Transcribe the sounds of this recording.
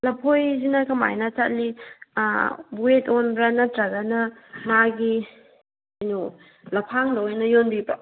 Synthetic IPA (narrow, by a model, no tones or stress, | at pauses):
lɐpʰojzinɐkɐma̰jnɐt͡ʃat̚li | buetonbɾanɐtɾaɡanɐmaɡi | ejnu | lɐpʰaŋdɐojnɐjonbibɾɐ